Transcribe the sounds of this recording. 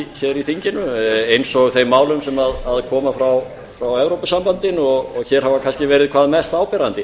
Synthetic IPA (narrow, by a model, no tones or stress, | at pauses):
çɛɾiθiɲcɪnʏejnsɔɣθejmːaːwlʏmsɛmaðaðkʰɔːmafɾaw | fɾawɛwɾowpasampant̪ɪnɔɣɔɣçɛːɾ̥havakʰanscɪvɛːɾɪðkʰv̥aːðmɛst̪aːwpɛɾant̪ɪ